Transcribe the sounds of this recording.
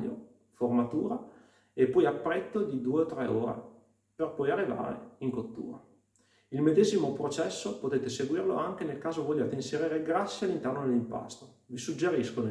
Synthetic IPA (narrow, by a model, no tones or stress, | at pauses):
jo̰ | format̪uːɾa | epːɔjapːɾɛt̪ːod̪id̪uːeot̪ːɾɛoːɾḛ | perpɔjarːiva̰ːɾḛiŋkot̪ːṵːɾa̰ | ilmed̪eːzimopɾot͡ʃɛsːopot̪eːt̪eseɡwiːrlo̰aŋk̟enelkaːzovoʎːaːt̪einseɾiːɾeɡɾasːjealːint̪ɛrnod̪elimpa̰st̪o | visud͡ʒːeɾisko